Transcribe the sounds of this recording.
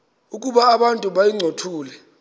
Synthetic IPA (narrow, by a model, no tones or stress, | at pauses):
ukʼuɓaːɓantʼuɓajiŋ͡ǀʱotʰuːlɛ